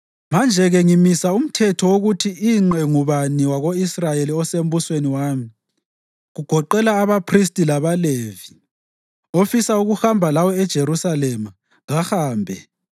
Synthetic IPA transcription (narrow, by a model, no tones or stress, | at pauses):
mand͡ʒʱɛɣɛŋimisaum̩tʰɛtʰɔwoɣutʰiiŋ͡ǃɛŋuβaniwaɣoisrajeliɔsem̩busweniwaːmi | ɣuɡ̥ʱɔǃɛlaːβapʰristʼilaβaleːvi | ofisauɣuxambʱalawɔɛd̥ʒ̥ʱeɾusalɛma | ɣaxaːmbʱɛ